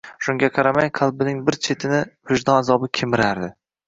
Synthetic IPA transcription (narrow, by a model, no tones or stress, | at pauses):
ʃʊŋɡʲaqʰɑɾamaŋqʰɑlˠbɪnɪŋbɪɾt͡ʃʰe̞t̪ʰɪnɪvɪʒd̪ɒnazɒbɪkʲʰemɪɾaɾd̪ɪ